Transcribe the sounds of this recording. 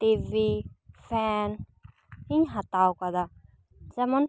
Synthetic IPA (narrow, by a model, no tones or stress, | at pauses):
t̪ivifɛn | iɲɦat̪awkad̪a | zɛman